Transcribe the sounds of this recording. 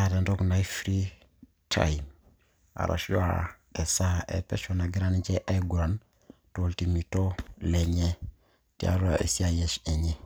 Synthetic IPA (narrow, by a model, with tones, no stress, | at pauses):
hada˨nto˦knajfɾi˦ | tʰa̰jm | a̰˨ɾʔa̰ʃjwa̰ | e˨sa˦ʔḛ˨pḛ˦ʃona˨ɡi˦ɾand͡ʒe˦ʔa˦jɡuɾan | toltimi˨to˦leɲe˦ | tia̰ɾua˨ʔḛ˨si˦ajese˨ɲe